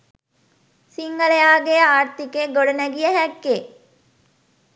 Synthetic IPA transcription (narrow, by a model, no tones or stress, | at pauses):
siŋɡəlejaːɡeaːɾt̪ikeɡoɽənæɡijəɦækːe